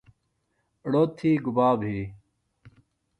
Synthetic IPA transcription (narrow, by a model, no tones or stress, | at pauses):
ɽoːt̪ʰːiːɡubaːbɦiː